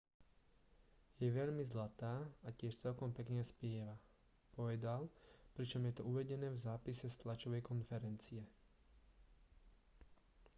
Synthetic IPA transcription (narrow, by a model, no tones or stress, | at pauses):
jɛʋɛʎmizlat̪aːacɪɛʃt͡sɛlkɔmpɛkɲaspɪɛʋa | pɔʋɛd̪alpɾit͡ʃɔmjɛt̪ɔuʋɛɟɛnɛːvzaːpisɛst̪lat͡ʃɔʋɛjkɔnfɛɾɛnt͡siɛ